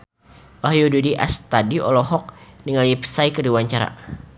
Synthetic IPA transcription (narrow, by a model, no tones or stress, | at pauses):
waɦjududiʔa̰st̪adiɔ̰lɔɦɔk̚niŋalipə̥sajkəduwaɲt͡ʃaɾa̰